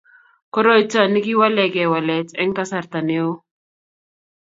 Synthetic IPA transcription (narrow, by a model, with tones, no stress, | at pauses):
kɔ˦ɾɔ˦i˦t͡sa˨ni˦ki˦wa˦lɛ˨kɛ˨wa˨lɛ˨t͡sɛ˦ŋka˦sa˨ɾt̪a˨ne˦o˦